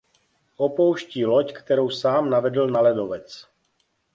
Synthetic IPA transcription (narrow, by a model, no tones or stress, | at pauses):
ʔopowʃciːlockt̪ɛɾowsaːmnavɛdl̩nalɛdovɛt͡s